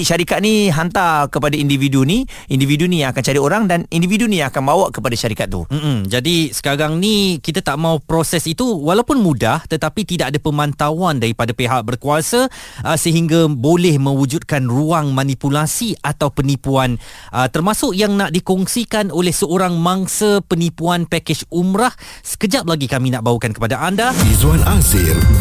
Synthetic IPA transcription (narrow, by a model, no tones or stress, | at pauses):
ʃaɾikat̪̚niɦant̪akəpadaindividuni | individunijãŋakant͡ʃaɾioɾaŋdanindividunijãŋakanbawaʔkəpadaʃaɾikat̪̚ːṵm̩m̩d͡ʒadisə̥kaɾaŋnikit̪at̪aʔmaupɾosɛsit̪uwalawpʊnmũdaht̪ət̪apit̪idaʔadapəmãnt̪awandaɾipadapeɦaʔ̚bərkuasaʔəsəɦiŋɡabolɛhmə̃wud͡ʒut̪̚kanruaŋmãnipulasiat̪awpənipuanʔət̪ərmasʊʔjaŋnaʔdikɔŋsikanolɛhsəoɾaŋmaŋsəpənipuanpaked͡ʒumɾahsə̥kəd͡ʒap̚laɡikaminaʔbaukankəpadaʔandaizuanasɪl